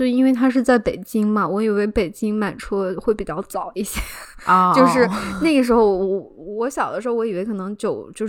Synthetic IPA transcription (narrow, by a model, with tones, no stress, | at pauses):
i˥nwe˥˩ɪt̪ʰa˥ʂ̬ɻ̩˥˧t͡sa˥˩ɪpe˨˩ɪt͡ɕi˥ŋmɐ˨wɔ˧˥i˨˩we˥˩ɪpe˨˩ɪt͡ɕi˥ŋma˨˩nʈ͡ʂʰɔ˥xwe˥˩ɪpi˨˩t͡ɕjɑ˥˩ʊt͡sɑ˨˩˦ʊi˥˩ɕjɛ˥jo˥˧ʊʂɻ̩˥˧na˥˩ɡə˩ʂ̬ɻ̩˧˥xo˥˧ʊɔ˧˨˩wɔ˧˥ɕjɑ˨˩ʊd̪ə˦ʂɻ̩˧˥o˥˧wɔ˧˥i˨˩we˧˥ɪkʰɤ˨˩nɤ˧˥ŋt͡ɕjo˥˩ʊt͡ɕjo˥˧ʊ˥